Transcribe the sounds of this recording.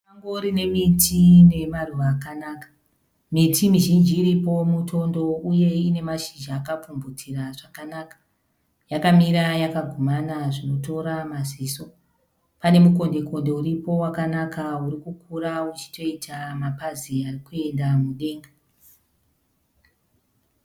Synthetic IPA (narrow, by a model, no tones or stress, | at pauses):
aŋɡoɾine̞mitʰine̞maruʋaːkanakḁ | mitʰimiʒind͡ʒiːɾipo̞mutʰo̞ndo̞uje̞ine̞maʃid͡ʒaːkap͡fumbutʰiraʐakanakḁ | jakamiɾajakaɡʱomanaʐinoto̞ɾamaziso̞ | pane̞muko̞nde̞ko̞nde̞uɾipo̞wakanakauɾikukʰuɾaut͡ʃi̥to̞itʰamapaziarikue̞ndamuɗe̞ːŋɡa